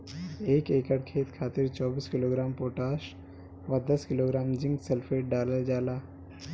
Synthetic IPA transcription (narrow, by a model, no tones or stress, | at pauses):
eːkeːkəɽkʰeːt̪kʰaːt̪ɪɾt͡ʃɔːbiːskɪloːɡɾaːmpoːʈaːʃ | ʋɐd̪ɐskɪloːɡɾaːmd͡ʒɪ̃ŋɡselpʰeːʈ̚ɖaːləld͡ʒaːlaː